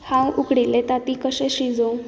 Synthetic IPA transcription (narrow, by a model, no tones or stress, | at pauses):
hãwukɽilːet̪at̪ikəɕeɕid͡zo